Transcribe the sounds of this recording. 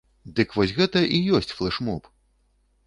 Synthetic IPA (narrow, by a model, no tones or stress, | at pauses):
d̪ɨkvɔsʲɣɛt̪ɐʔijɔsʲt͡sʲflˠɛʂmɔp